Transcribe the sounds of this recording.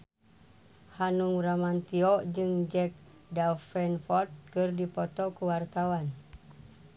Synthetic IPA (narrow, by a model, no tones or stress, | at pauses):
hanuŋramant̪iɔʔd͡ʒɨŋd͡ʒɛk̚ | dafɛnfɔt̪̚kɨrdipɔt̪ɔkuwart̪awan